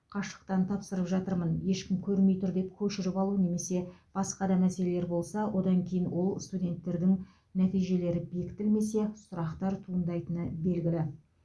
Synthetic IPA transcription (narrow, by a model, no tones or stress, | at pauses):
qʰɑʃə̥q̚t̪ɑnt̪ʰɑpsəɾəpʒɑt̪əɾmənje̞ʃkʲɪmkʲʰɵɾme̞jt̪ʊɾd̪e̞pkʲʰɵʃɪɾɪpɑlˠune̞me̞se̞b̥ɑsqɑd̪ɑmæse̞lele̞ɾbo̞lˠsɑwʔo̞d̪ɑŋkʲʰe̞jɪnwo̞lˠst̪udʲe̞nt̪ːe̞ɾd̪ɪŋ | næt̪ijʒe̞le̞ɾɪbe̞kʲt̪ɪlme̞se̞sʊɾɑqt̪ɑɾt̪ʰuənd̪ɑjt̪ənəbe̞lɡʲɪlɪ